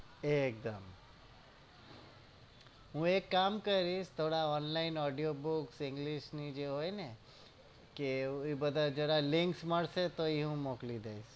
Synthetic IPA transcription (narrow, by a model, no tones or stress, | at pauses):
ek̚d̪əm | ɦũekːamkəɾiʃt̪ʰoɽaɔnlainɔɖijobuksɪ̃ŋɡliʃnid͡ʒeɦojne | keibəd̪ʱad͡ʒəɽalɪ̃ŋksməɭset̪oiɦũmoklid̪eiʃ